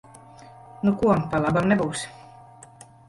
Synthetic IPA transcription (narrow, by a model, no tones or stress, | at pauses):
nukuɔpalˠabamnɛbuːs